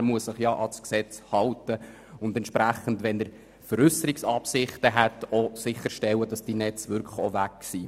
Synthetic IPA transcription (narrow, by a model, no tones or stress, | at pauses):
ɾmuəsəχjɑʔɑsksɛt͡shɑwtə | ʊndɛntt͡ʃpɾæχːən̩dʋɛnəɾ | fəɾʏsəɾiksɑpsɪχtəɦætosɪχːəɾʃtɛwəd̥ɑsd̥inɛt͡sʋʏɾkʰə̥χɔʋækːsi